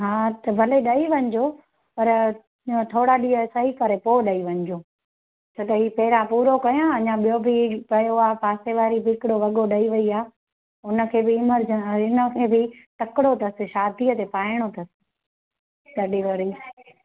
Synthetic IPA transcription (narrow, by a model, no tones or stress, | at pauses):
ɦaːt̪ɐbʱɐleɗɐiʋɐ̃ɲɪd͡ʑo | pɐɾ | t̪ʰoːɽaɗiːəsɐikɐɾepoːɗɐiʋɐ̃ɲɪd͡ʑoː | t͡ɕʰoːt̪ɐɦiːpɐɦɪɾãpuːɾokɐjãɐɲãɓijobɪpɐjoaːpaːseʋaːɾibʱɪɪkɪɽoʋɐɠoɗɐiʋɐiaː | ʊnə̆kʰeːbɪɪməɾd͡ʒəɪnəkʰeːbɪʈ̪ɐkɪɽot̪ʰɐsɪ̆ʃaːd̪ʱiət̪epaːɪɽ̃ot̪ʰɐsɪ̥̆ | ɗɐɗiʋaɾi